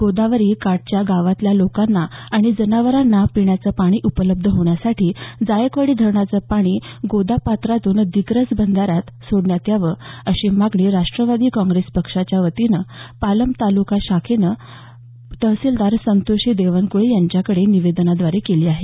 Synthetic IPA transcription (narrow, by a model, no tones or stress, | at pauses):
ɡ̥od̪aʋəɾiːkaʈ̚t͡ɕjaɡaʋat̪ljalokanːaːɽ̃id͡zənaʋəɾanːapiɳjat͡səpaɽ̃iːʔupələb̚d̪ʱəɦoɳ̃jasaʈʰiːd͡zajəkʋəɽiːd̪ʱəɾɳat͡səpaɽ̃iːɡod̪apat̪ɾat̪uːnd̪iɡɾət͡sbənd̪ʱaɾjat̪soɽɳjat̪jaʋəəɕimaɡɳiːɾaʂʈɾəʋad̪iːkɔ̃ŋɡɾespəkʂat͡ɕjaʋət̪inəpaləmbt̪alukaɕakʰenə | t̪əsild̪aɾsənt̪oɕiːd̪eʋənkuɭejaɲt͡ɕjakəɽeniʋed̪nad̪ʋaɾekeliːaɦe